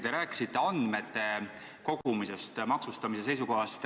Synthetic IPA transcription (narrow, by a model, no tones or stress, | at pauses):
t̪e̞ɾæːkːˑi̥sit̪ːe̞ɑnd̪me̞t̪ːe̞ | ko̞ɡ̥umise̞st̪mɑksust̪ɑmise̞s̬e̞jsuko̞ɦɑst̪